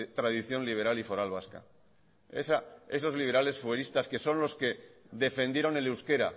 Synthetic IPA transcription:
t̪ɾað̞iθjo̞nliβ̞e̞ɾalifo̞ɾalβ̞aska̰ | esae̞so̞zliβ̞ɾale̞sfweɾist̪aske̞so̞nlo̞ske̞ | ðe̞fẽ̞nd̪jeɾo̞nelewske̞ɾa̰

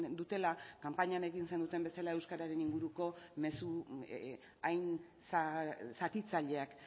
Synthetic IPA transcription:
nd̪ut̪e̞lakampaɲane̞ɣinse̞nd̪ut̪e̞mbe̞salae̞wskaɾaɾe̞niŋɡuɾuko̞me̞su | ajn | sasat̪it͡saʎe̞ak

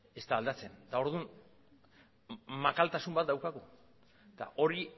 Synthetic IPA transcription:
e̞st̪aːld̪at͡se̞nt̪ao̞ɾðun | makalt̪asumbat̪̚d̪awkaɣu | t̪a̰ʔo̞ɾi

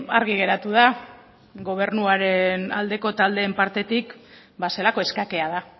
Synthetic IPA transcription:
aɾɣiɣ̞e̞ɾat̪uð̞a | ɣo̞β̞e̞rnuaɾe̞na̰ld̪e̞ko̞t̪ald̪e̞ːmpaɾt̪e̞t̪ik | base̞lako̞e̞skake̞að̞a

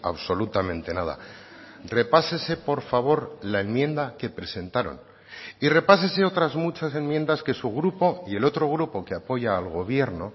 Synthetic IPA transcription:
a̰βso̞lut̪amẽnt̪e̞nað̞a̰ | re̞pase̞se̞po̞ɾfaβ̞o̞ɾlae̞nmjẽ̞nd̪ake̞pɾe̞se̞nt̪aɾo̞̰n | ire̞pas̬e̞seo̞t̪ɾazmut͡ʃase̞nmjend̪aske̞suɣ̞ɾupo̞ie̞lo̞t̪ɾo̞ɣ̞ɾupo̞keapo̞ʝaːlɣ̞o̞β̞je̞ɾno̞

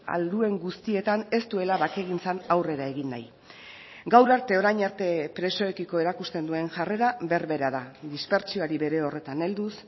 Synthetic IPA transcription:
a̰ld̪ue̞ŋɡust̪ie̞t̪ane̞st̪ue̞laβake̞ɣ̞int͡sanawre̞ɾae̞ɣinːa̰j | ɡawɾaɾt̪e̞o̞ɾajɲaɾt̪e̞pɾe̞so̞e̞kiko̞e̞ɾakust̪e̞nd̪ue̞ŋʝare̞ɾaβe̞ɾβe̞ɾaðad̪ispe̞ɾt͡ʃioaɾiβe̞ɾe̞o̞re̞t̪ane̞ld̪us

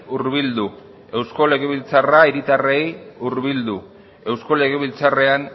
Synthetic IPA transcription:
uɾβild̪u | e̞wsko̞le̞ɣe̞β̞ilt͡saraiɾit̪arejuɾβild̪u | e̞wsko̞le̞ɣ̞e̞βilt͡sare̞an

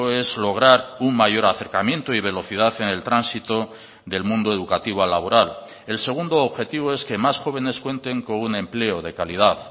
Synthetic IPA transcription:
e̞zlo̞ɣ̞ɾaɾuŋmaʝo̞ɾaθe̞ɾkamjẽ̞nt̪oiβ̞e̞lo̞θið̞aθe̞ne̞lt̪ɾansit̪o | ðe̞lmũnd̪oe̞ðukat̪iβoalaβo̞ɾal | e̞lse̞ɣ̞und̪oːβxe̞t̪iβ̞oe̞ske̞masxo̞β̞e̞ne̞skwe̞nt̪e̞ŋko̞nune̞mple̞oðe̞kaliðaθ

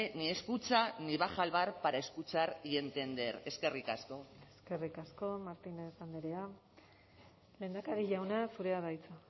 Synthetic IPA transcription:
nieskut͡saniβaxalβaɾpaɾaeskut͡saɾie̞nt̪e̞nd̪eɾe̞ske̞rikasko̞eske̞rikasko̞maɾt̪inesand̪eɾea | le̞ːnd̪akaɾiʝawnasuɾe̞aðajt͡sa

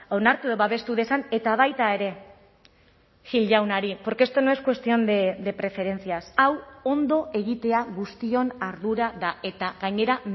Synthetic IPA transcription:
o̞naɾt̪uðoβaβe̞st̪uðe̞sane̞t̪aβ̞ajt̪ae̞ɾe̞ | ʝilʝawnaɾipoɾkeest̪o̞noeskwe̞st̪io̞nd̪ed̪e̞pɾe̞fe̞ɾe̞nt͡siasawo̞nd̪o̞ʔe̞ɣ̞it̪e̞aɣust̪io̞naɾðuɾaðae̞t̪aɣaɲe̞ɾa

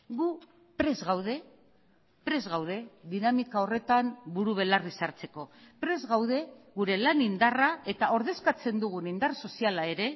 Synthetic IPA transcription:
ɡu | pɾe̞zɣawð̞e̞ | pɾe̞zɣawð̞e̞ðinamikao̞re̞t̪ambuɾuβe̞larisaɾt͡se̞ko̞pɾe̞zɣawð̞e̞ɣuɾe̞lanind̪arae̞t̪ao̞ɾðe̞skat͡se̞nd̪uɣ̞unind̪arso̞sialae̞ɾe̞

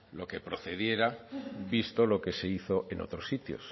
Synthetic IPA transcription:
lo̞ke̞pɾo̞θe̞ðje̞ɾabist̪olo̞ke̞se̞iθo̞ʔe̞no̞̰t̪ɾo̞sːit̪jo̰s

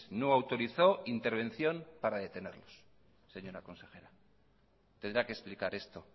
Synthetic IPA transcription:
noawt̪o̞ɾiθo̞int̪e̞ɾβ̞ẽ̞n̟θjo̞mpaɾaðe̞t̪e̞ne̞ɾlo̞s | se̞ɲo̞ɾako̞nse̞xe̞ɾa | t̪end̪ɾakesplikaɾe̞st̪o̞

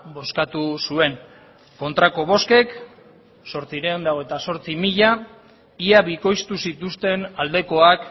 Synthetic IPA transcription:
bo̞skat̪usue̞n | ko̞nt̪ɾako̞β̞o̞ske̞k | so̞ɾt͡siɾeond̪awe̞t̪aso̞ɾt͡simiʎa | iaβiko̞jst̪usit̪ust̪e̞nald̪e̞ko̞ak

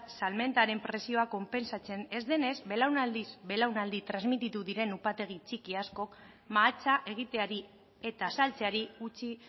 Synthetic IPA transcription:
salme̞nt̪aɾe̞mpɾe̞sio̞ako̞mpe̞nsat͡se̞ne̞zd̪e̞ne̞zbe̞lawnald̪izbe̞lawnald̪it̪ɾazmit̪it̪uðiɾe̞nupat̪e̞ɣ̞it͡ʃikiasko̞k | maːt͡saʔe̞ɣ̞it̪e̞aɾi | e̞t̪asalt͡se̞aɾiɣut͡ʃi

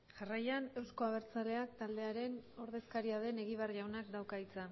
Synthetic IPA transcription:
ʝarajane̞wsko̞aβ̞e̞ɾt͡sale̞akt̪ald̪e̞aɾe̞no̞ɾð̞e̞skaɾiað̞e̞ne̞ɣiβ̞arʝawnakd̪awkait͡sa

